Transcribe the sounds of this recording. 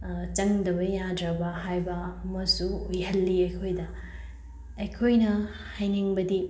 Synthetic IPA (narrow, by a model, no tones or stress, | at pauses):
t͡ʃɐŋdɐbɐjadɾɐbɐɦajbɐɐmɐsuujɦɐlːiɐjkʰojdɐ | ɐjkʰojnɐ | hajniŋbɐdi